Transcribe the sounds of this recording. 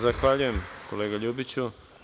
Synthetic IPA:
zaxʋaʎuje̞mkoleːɡaʎuːbit͡ɕu

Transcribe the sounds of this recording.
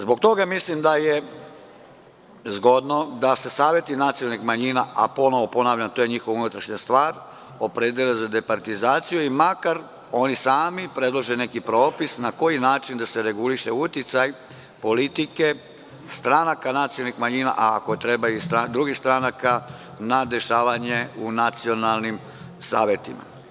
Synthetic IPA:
zbo̞k̚t̪o̞ɡamislimd̪aje | zɡo̞d̪no̞d̪ase̞saːʋje̞t̪inat̪siolnixmaɲinaʔa̰po̞no̞ʋo̞po̞naːʋʎamt̪o̞jeɲixo̞ʋunut̪ɾaʃɲast̪ʋaːɾ | o̞pɾed̪jelezad̪e̞paɾt̪izaːt̪sijuimakaɾ | o̞nisaːmipɾe̞d̪lˠoʒene̞kipɾo̞ːpisnako̞jinaːt͡ʃind̪ase̞ɾe̞ɡuliʃe̞ut̪jit̪saj | po̞lit̪ike̞ | st̪ɾanakanat̪siolnixmaɲina̰ʔaːkot̪ɾe̞baist̪ɾad̪ɾuɡist̪ɾanaka | nad̪e̞ʃaːʋaɲeunat̪sio̞nalˠnim | saːʋje̞t̪ima̰

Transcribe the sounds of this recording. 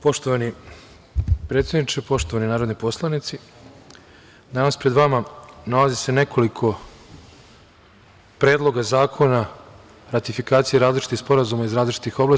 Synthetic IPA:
po̞ʃt̪oʋani | pɾe̞t̪sjed̪nit͡ʃepo̞ʃt̪o̞ʋaninaːɾod̪nopo̞slˠanit̪si | d̪anaspɾe̞d̪ʋamanalazise̞ne̞kʰo̞likʰo̞ | pɾe̞ːd̪lˠo̞ɡazaːkʰo̞na | ɾat̪ifikaːt̪sijeɾaːzlit͡ʃi̥t̪ixspo̞ɾazumaizɾaːzlit͡ʃi̥t̪ixo̞blˠa

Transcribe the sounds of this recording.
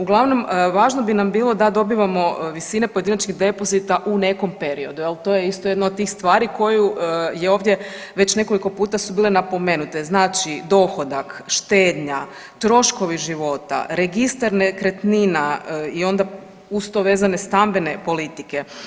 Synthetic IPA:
uɡlˠaʋno̞mʋaːʒno̞binambiːlˠo̞d̪ad̪o̞biːʋamo̞ʋisine̞poed̪inat͡ʃɲiɣd̪e̞po̞zit̪aʔune̞ko̞mpe̞ɾio̞d̪ujelˠt̪o̞ːje̞ist̪ojed̪nod̪t̪iːxst̪ʋaːɾiko̞juje̞o̞ːʋd̪je̞ | ʋe̞t͡ɕne̞ko̞liko̞puːt̪asubiːlenapo̞me̞ːnut̪e̞znaːt͡ʃid̪o̞xo̞d̪akʃt̪eːd̪ɲa | t̪ɾo̞ʃko̞ʋiʒiʋo̞t̪a̰ɾe̞ɡist̪aɾnekɾet̪ninaio̞nd̪a | ust̪oʋe̞ːzane̞st̪ambe̞ne̞po̞lit̪ike̞

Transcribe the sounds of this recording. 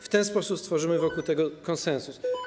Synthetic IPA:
ft̪ɛnspɔsupst̪fɔʐɘmɘvɔkuwt̪ɛɡɔkɔnsɛnsus

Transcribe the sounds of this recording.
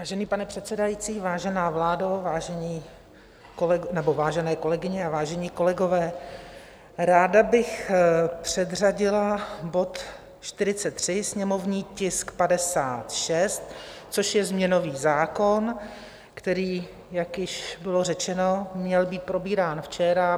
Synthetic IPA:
vaːʒɛniːpanɛpr̝̥ɛt̪sɛdajit͡siːvaːʒɛnaːvlaːdovaːʒɛɲiː | koɛnɛbo̞vaːʒɛnɛːko̞lɛɡɪɲɛavaːʒɛɲiːko̞lɛɡo̞vɛː | ɾaːdabɪxpr̝̥ɛd̪r̝aɟɪlabo̞t̪ | ʃt̪ɪɾɪt͡sɛt̪ːr̝̥ɪsɲɛmo̞vɲiːcɪskpadɛsaːt̪ʃɛst̪̚ | t͡soʃjɛzmɲɛno̞viːzaːko̞n | kt̪ɛɾiː | jakjɪʃbɪlo̞rɛt͡ʃɛno̞mɲɛlbiːt̪̚pɾo̞biːɾaːnft͡ʃɛɾa

